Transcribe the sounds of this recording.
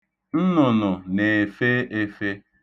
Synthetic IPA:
n̩˦nʊ˨nʊ˨ne˨e˨fe˦e˦fe˦

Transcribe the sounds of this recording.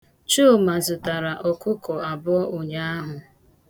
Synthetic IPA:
t͡ʃo˦˨ma˨zʊ˨ta˨ɾa˨ʔɔ˨kʊ˦kɔ˨a˨bʊ˦ɔ˦ʊ˨ɲa˦a˦ɦʊ˨

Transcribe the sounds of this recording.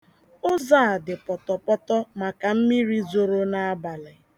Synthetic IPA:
ʊ˦za˦˨dɪ˨pɔ˨tɔ˨pɔ˦tɔ˦ma˨ka˨m̩˦mi˦ɾi˦zo˨ɾo˦na˦a˦ba˨lɪ˨

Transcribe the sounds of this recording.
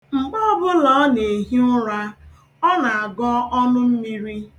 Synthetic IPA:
ŋ͡m̩˨ɡ͡bɔ˦bʊ˦lɔ˨˦ne˨ɦi˦nʊ˦ɾa˦ | ɔ˦na˨a˨ɡɔ˦ɔ˦nʊ˦m̩˦mi˦ɾi˦

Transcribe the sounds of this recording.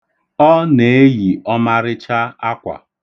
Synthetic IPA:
ɔ˦ne˨˦ji˨ɔ˦ma˦ɾɪ˦t͡ʃa˦a˦kʷa̰˨

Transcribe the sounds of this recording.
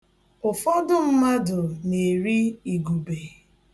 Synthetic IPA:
ʊ˨fɔ˦dʊ˦m̩˦ma˦dʊ˨ne˨ɾi˦i˨ɡu˨be˨

